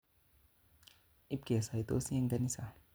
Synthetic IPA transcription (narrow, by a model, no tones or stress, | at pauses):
ʔip̚ɡ̥iasait̪ṵsiaŋɡanisah